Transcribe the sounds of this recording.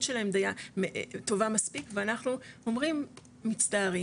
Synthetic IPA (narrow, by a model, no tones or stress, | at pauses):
tʃelahemd̪ajamet̪o̞vamaspikveanaχnuo̞mʁimː | it͡staːʁi